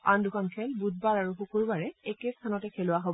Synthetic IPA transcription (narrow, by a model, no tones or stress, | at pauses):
andʊkʰankʰɛlbud̚baɹaɹuxukuɹbaɹɛekest̪ʰanɔtɛkʰelʊaɦob